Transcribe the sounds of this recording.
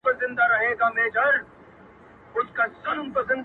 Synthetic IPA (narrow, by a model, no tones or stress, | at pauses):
pəzɪ̃nd̪aɾɐɦeːɡaːmeːd͡ʒəɽ | ʊskasɐnmpɐɾzɪ̃nd̪